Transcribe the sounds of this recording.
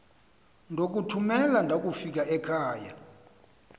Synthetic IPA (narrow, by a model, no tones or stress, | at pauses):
ndʱok̬utʰumɛlandʱak̬ʼufik̬ʼaʔɛkʰaːja̰